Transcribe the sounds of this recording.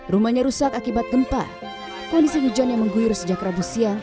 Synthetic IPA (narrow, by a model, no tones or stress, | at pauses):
rumaɲaɾusakakibat̪̚ɡəmpa̰r | kɔndisiɲud͡ʒanjaŋməŋɡujʊrsəd͡ʒat̪ɾabusia